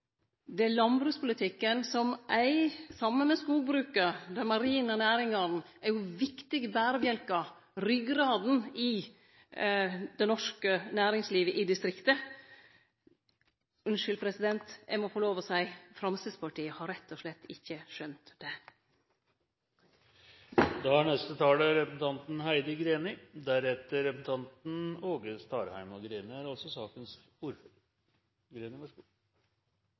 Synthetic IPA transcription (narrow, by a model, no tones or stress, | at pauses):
d̪ɛlɑnbɾʉːspʰʊlɪt̪ʰɪkːənsɔmʔæɪsɑmːənmɛskuːlbɾʉːkəɾd̪æɾmɑɾiːnɔnæːɾɪŋɑɾn̩æɾjʊʋɪkt̪ɪɡəbæːɾəbjɛlkɑ | ɾʏɡɾɑːd̪n̩ɪ | d̪ɛnɔʂkənæːɾɪŋsliːʋəʔɪd̪ɪst̪ɾɪkt̪ə | ʉnʂʏlpʰɾɛsɪd̪ɛnt̪ɛmɔfoːloːʋɔsæɪfɾɑmsɪspʰɑʈiːəhɑɾɛt̪ʰːɔʂlɛt̪ʰːɪçːəʃœnt̪d̪̥ɛ | d̪ɑæɳɛst̪ət̪ʰɑːləɾɛpəsn̩t̪ʰɑnt̪n̩hæɪd̪əɡɾeːnɪd̪æɾɛt̪ːəɾɛpəs̩t̪ʰɑnt̪n̩oːɡəst̪ʰɑːɾhæɪmɑɡɾeːnɪæɾɑlsɔsɑːkəns | uɾf | ɡɾeːnɪʋɑʂɡ